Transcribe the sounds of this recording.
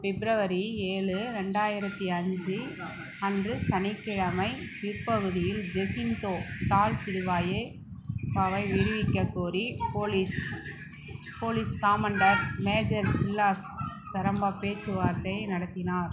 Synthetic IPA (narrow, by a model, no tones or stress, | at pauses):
fɛbɪɾɐʋɐɾieːɭɯɾɛɳɖaːjɪɾɐt̪ːiɐɲd͡ʒɯ | ɐndrɯsɐnɪkːɪɻɐmɐɪpiɾpɐɣɯðɪjɪld͡ʒɛsɪnt̪oːʈ̪aːlt͡ʃɪɾɯʋaːje | paːʋɐɪʋɪɽɯʋɪkːɐkːuːɾipoːlis | poːliːskaːmɐɳɖɐɾmeːd͡ʒɐɾsɪlːaːsː | ɐɾɐmbaːpeːt͡ʃːɯʋaːɾt̪ːɐjnɐɽɐt̪ːɪnaːɾ